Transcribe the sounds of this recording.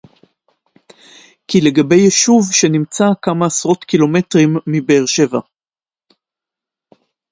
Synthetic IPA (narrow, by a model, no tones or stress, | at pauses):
kile̞ɡabe̞jeʃuvʃe̞nimt͡sakamaːsʁo̞tkilo̞me̞tʁimːibeːʁʃe̞va